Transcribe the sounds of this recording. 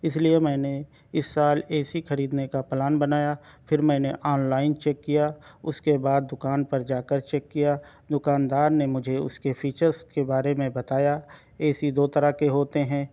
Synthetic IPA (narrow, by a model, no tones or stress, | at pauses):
ɪsliemɛ̃ːne | ɪsːaːlɛːsixɐɾiːd̪nekapɛlaːnbɐnaːjapʰɪɾmɛ̃ːneʔɔːnlaːɪnt͡ʃɛːkːijaʊskebaːd̪̚ːʊkaːnpɐɾd͡ʒaːkəɾt͡ʃɛːkːija | d̪ʊkaːnd̪aːɾnemʊd͡ʒʱeʊ̰skefʰiːt͡ʃəɾzkebaːɾemẽbɐt̪aːja | ɛːsid̪oːt̪ɐɾakeɦoːt̪eɦɛ̃ː